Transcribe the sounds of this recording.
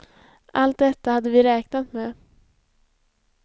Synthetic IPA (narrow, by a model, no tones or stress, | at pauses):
ʔalt̪̚d̪ɛt̪ːahad̪ːəvɪɾɛːknat̪meː